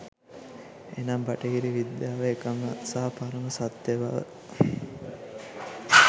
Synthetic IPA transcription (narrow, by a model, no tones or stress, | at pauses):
ḛnambɐʈəɡiɾiʋid̪jaːʋeːkəməsaɦɐpaɾəməsat̪jeʋa̰ʋə̰